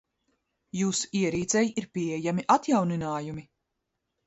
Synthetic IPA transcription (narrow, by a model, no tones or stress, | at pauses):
juːsu̥iɛɾiːt̪sɛjiiɾpʲiɛjamiʔat̪jawninaːjumi